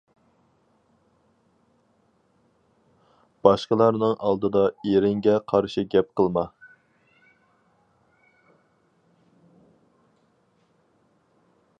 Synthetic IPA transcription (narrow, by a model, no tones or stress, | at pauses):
b̥ɑʃqəlˠɑɾnɨŋʔɑlˠd̪ɨd̪ɑeɾɪŋɡʲɛqʰɑɾʃiɡʲɛp̚qəlˠmɑ